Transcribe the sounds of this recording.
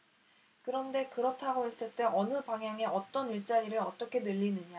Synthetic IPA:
kɯɾʌnde̞kɯɾʌtʰaɡoɦe̞s͈ɯɭt͈e̞ʔʌnɯpaŋɦjaŋe̞ʔʌt͈ʌniɭt͡ɕ͈aiɾɯɾʌt͈ʌkʰe̞nɯʎːinɯɲa

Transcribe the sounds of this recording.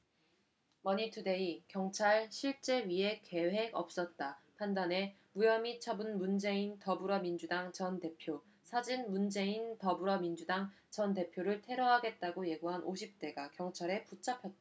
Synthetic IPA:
mʌɲitʰɯde̞ikjʌŋt͡ɕʰaɭɕʰiɭt͡ɕ͈e̞ɥie̞ke̞ɦe̞ɡʌp̚s͈ʌt̚t͈apʰandane̞ | mujʌmit͡ɕʰʌbɯnmund͡ʑe̞intʌbuɾʌmind͡ʑudaŋt͡ɕʌnte̞pʰjo | sʰad͡ʑinmund͡ʑe̞intʌbuɾʌmind͡ʑudaŋ | t͡ɕʌnte̞pʰjoɾɯɭtʰe̞ɾʌɦaɡe̞t̚t͈aɡoje̞ɡuɦanʔoɕʰip̚t͈e̞ɡakjʌŋt͡ɕʰaɾe̞put͡ɕ͈ʰapʰjʌt̚t͈aa

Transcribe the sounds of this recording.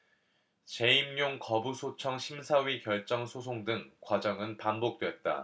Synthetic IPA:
t͡ɕe̞imɲoŋkʌbusʰot͡ɕʰʌŋɕʰimsʰaɥikjʌɭt͡ɕ͈ʌŋsʰosʰoŋdɯŋkwad͡ʑʌŋɯnpanbok̚t͈wet̚t͈a̰

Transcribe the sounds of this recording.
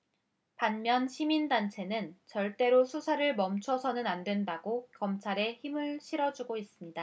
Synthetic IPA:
panmjʌnɕʰimindant͡ɕʰe̞nɯnt͡ɕʌɭt͈e̞ɾosʰusʰaɾɯɭmʌmt͡ɕʰʌsʰʌnɯnandwendaɡokʌmt͡ɕʰaɾe̞çimɯɭɕʰiɾʌd͡ʑuɡois͈ɯmɲida

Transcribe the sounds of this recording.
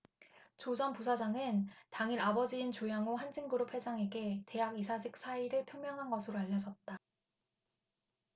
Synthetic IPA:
t͡ɕod͡ʑʌnpusʰad͡ʑaŋɯntaŋiɾabʌd͡ʑiːnt͡ɕojaŋoɦand͡ʑiŋɡɯɾopʰwe̞d͡ʑaŋe̞ɡe̞te̞ɦaɡisʰad͡ʑik̚s͈ʰaiɾɯɭpʰjomjʌŋɦanɡʌsʰɯɾoaʎːʌd͡ʑʌt̚t͈a

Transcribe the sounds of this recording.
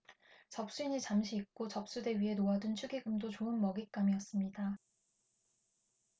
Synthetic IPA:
t͡ɕʌp̚s͈uiɲit͡ɕamɕʰiːk̚k͈ot͡ɕʌp̚s͈ude̞ɥiɦe̞noadɯnt͡ɕʰuɡiɡɯmdot͡ɕoɯnmʌɡik͈amiʌs͈ɯmɲida

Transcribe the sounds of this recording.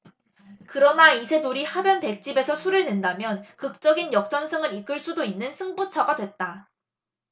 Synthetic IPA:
kɯɾʌnaisʰe̞noɾihabjʌnpe̞k̚t͡ɕ͈ibe̞sʰʌsʰuɾɯɭne̞ndamjʌnkɯk̚t͡ɕ͈ʌɡinjʌk̚t͡ɕ͈ʌnsʰɯŋɯɾik͈ɯɭs͈udoinːɯnsʰɯŋbut͡ɕʰʌɡadwe̞t̚t͈a

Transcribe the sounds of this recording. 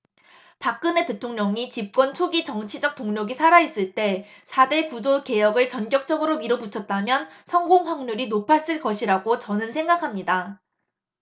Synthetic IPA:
pak̚k͈ɯne̞te̞tʰoŋɲʌŋit͡ɕip̚k͈wʌnt͡ɕʰoɡit͡ɕʌŋt͡ɕʰid͡ʑʌk̚t͈oŋɲʌɡisʰaɾais͈ɯɭt͈e̞sʰade̞kud͡ʑoke̞jʌɡɯɭt͡ɕʌnk͈jʌk̚t͡ɕ͈ʌɡɯɾomiɾobut͡ɕʰʌt̚t͈amjʌnsʰʌŋɡoŋɸwaŋɲuɾinopʰas͈ɯɭkʌɕʰiɾaɡot͡ɕʌnɯnsʰe̞ŋɡakʰamɲida

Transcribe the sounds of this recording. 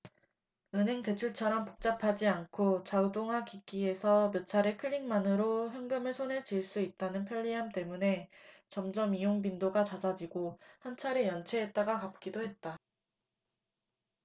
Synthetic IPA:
ɯnɦe̞ŋte̞t͡ɕʰuɭt͡ɕʰʌɾʌmpo̥k̚t͡ɕ͈apʰad͡ʑiankʰot͡ɕaɯdoŋɦakik͈ie̞sʰʌmjʌt͡ɕʰaɾe̞kʰɯʎːiŋmanɯɾoçjʌŋɡɯmɯɭsʰone̞d͡ʑiɭs͈uit̚t͈anɯnpʰjʌʎːiɦamt͈e̞mune̞t͡ɕʌmd͡ʑʌmijoŋbindoɡat͡ɕasʰad͡ʑiɡohant͡ɕʰaɾejʌnt͡ɕʰe̞ɦet̚t͈aɡakap̚k͈idoɦe̞t̚t͈a

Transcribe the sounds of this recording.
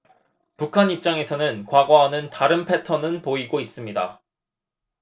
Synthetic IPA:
pukʰaɲip̚t͡ɕ͈aŋe̞sʰʌnɯnkwaɡwaɦːnɯntaɾɯnpʰe̞tʰʌnɯnpoiɡois͈ɯmɲida̰

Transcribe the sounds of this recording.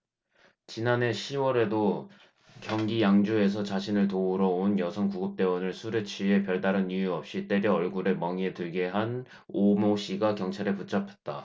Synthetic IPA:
t͡ɕinane̞ɕʰiwʌɾe̞do | kjʌŋɡijaŋd͡ʑue̞s̬ʰʌt͡ɕaɕʰinɯɭtouɾʌonjʌsʰʌŋkuɡɯp̚t͈e̞wʌnɯɭsʰuɾet͡ɕʰie̞pjʌɭdaɾɯnijuʌp̚ɕ͈it͈e̞ɾjʌʌɭɡuɾe̞mʌŋietɯɭɡe̞ɦan | omoɕʰiɡakjʌŋt͡ɕʰaɾeput͡ɕ͈ʰapʰe̥t̚t͈a

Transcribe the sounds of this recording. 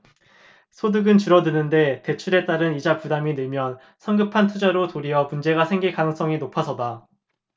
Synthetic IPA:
sʰodɯɡɯnt͡ɕɯɾʌdɯnɯnde̞te̞t͡ɕʰuɾe̞t͈aɾɯnid͡ʑapudaminɯɭmjʌn | sʰʌŋɡɯpʰantʰud͡ʑaɾotoɾiʌmund͡ʑe̞ɡasʰe̞ŋɡiɭkanɯŋs͈ʌŋinopʰasʰʌda

